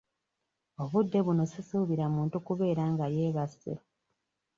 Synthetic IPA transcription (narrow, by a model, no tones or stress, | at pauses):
o̞βudːe̞βuno̞sisuuβiɾamuːntukuβe̞ːɾaːŋɡajeːβasḛ